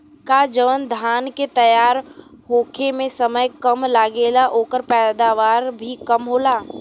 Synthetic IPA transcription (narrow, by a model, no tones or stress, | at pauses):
kad͡ʒəʋənd̪ʱaːnket̪ɐjaːɾ | ɦoːkʰemẽsəməjkəmlaːɡeːlaʔoːkəɾpɛːd̪aʋaːɾbʱikəmɦoːlaː